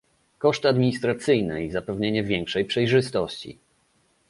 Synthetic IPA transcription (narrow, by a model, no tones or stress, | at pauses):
kɔʂt̪ad̪mʲiɲist̪ɾat̪sɘjnɘizapɛvɲeɲɛvʲjɛŋkʂɛjpʂɛjʐɘst̪ɔɕt͡ɕḭ